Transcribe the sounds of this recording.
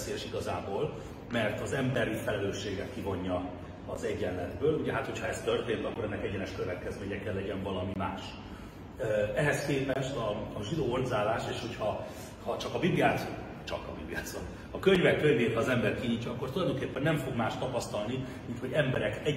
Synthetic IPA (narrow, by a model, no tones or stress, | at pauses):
seːjɛʃiɡɒzaːboːl | mɛrt̪ɒzɛmbɛɾifɛlɛløːʃːeːɡɛt̪kivo̞ɲːɒ | ɒzɛɟːɛllɛd̪bøːluɟɛɦaːt̪ho̞cʰhɒɛst̪ørt̪eːnt̪ɒkːo̞ɾɛnːɛkɛɟɛnɛʃkøvɛt̪kɛzmeːɲɛkɛlːɛɟɛɱvɒlɒmimaːʃ | ɛɦɛskeːpɛʃt̪ɒʒid̪oːord̪zaːlaːʃeːʃho̞chɒ | hɒt͡ʃɒkɒbibliaːzo | t͡ʃɒ̰kɒ̰bḭblija̰ːt̪zom | hɒkøɲvɛkːøɲveːt̪hɒːzɛmbɛrkiɲiːcːɒɒkːort̪ulɒjd̪oŋkeːpːɛnːɛɱfo̞ɡmaːʃt̪ɒpɒst̪ɒlnimint̪ho̞ɟɛmbɛɾɛkɛ